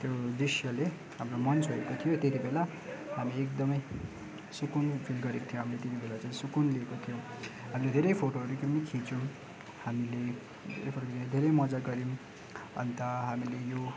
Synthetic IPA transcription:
t̪jod̪isjʌle | hamromʌnt͡sɦoekot̪ʰijot̪et̪ibela | hamiek̚d̪ʌmʌj | sukunpʰilɡʌɾekot̪ʰijõɦamilet̪et̪ibelat͡saĩsukunliekot̪ʰijo | ɦamiled̪ʱeɾʌjpʰoʈoʌɾukipnikʰĩt͡sum | hamile | d̪ʱḛɾepʰoʈokidd̪ʱeɾʌjmʌd͡zaɡʌɾim | ʌ̰nt̪ʌɦamilejo

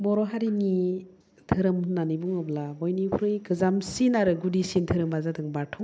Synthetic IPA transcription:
bɔɾɔɦaɾini | tʰɯɾɯmunːanibuŋɯblabɔjnipʰuɾɯjɡɯzamsinaɾɯɡudisintʰɯɾɯmbazadɯŋbatʰɔ

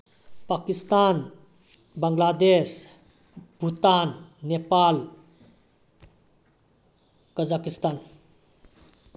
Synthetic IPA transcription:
pakist̪an | bəŋɡlad̪es | bʱut̪anːepal | kəd͡ʒakist̪aːn

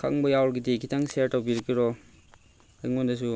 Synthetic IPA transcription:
kʰa̰ŋbɐjawɾɡidikʰitʰaŋseaɾtawbiɾɐkːiɾɔ | ajŋondɐs̬u

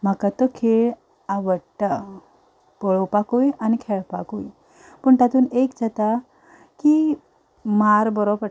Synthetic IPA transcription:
m̤akat̪əkʰeɭ | aʋəɽʈa | pɔɭopakujanikʰeɭpakuj | pəɳt̪at̪uːnekd͡zat̪a | ki | maɾbəɾobə

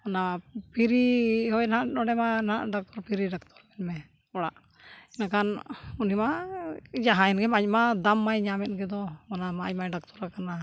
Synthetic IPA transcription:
ɔnapʰiɾiɦɔjnaʔɗɔɽɛmana̰ʔɖak̚t̪ɔɾpʰiɾiɖak̚t̪ʰɔɾmɛnmɛ | ɔɽa̰ʔ | inakanunima | d͡ʒaɦãɛnɡɛmaɲ̚mad̪amːajɲamɛt̪̚ɡɛd̪ɔɔnamaɲmajɖak̚t̪ɔɾakana

